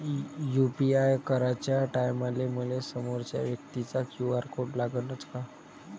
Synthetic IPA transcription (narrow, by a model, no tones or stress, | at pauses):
jupiajkəɾat͡ɕjaʈajmalemulesəmoɾt͡ɕja̰ʋjək̚t̪it͡sakjuaɾkoʈlaɡənət͡ska